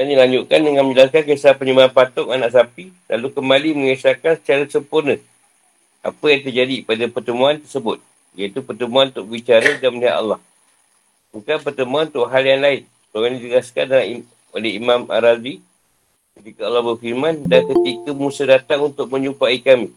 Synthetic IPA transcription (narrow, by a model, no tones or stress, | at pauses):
dandilaɲd͡ʒuʔkandəŋanmə̃ɲd͡ʒəlaskankəsapəɲəmbaanpat̪ʊŋanaʔsapilʔa̰lukəmbaliməŋəsakansə̥t͡ʃaɾasəmpurnə | ʔa̰pəjaŋt̪ərd͡ʒadipadapərt̪əmuant̪ərsəbʊt̪̚ | jait̪upərt̪əmuanunt̪ʊ̰ʔbəwit͡ʃaɾədanməniɦa̰t̪a̰lːɑh | bukanpərt̪əmuanunt̪ʊʔɦaljaŋlaɪn | toandit̪əɡaska̰ndalami | olɛɦimãmʔa̰ɾazi | kət̪ikəɑlːɑhbərfirmandankət̪ikəmũsədat̪aŋunt̪ʊk̚mə̃ɲupaikamĩ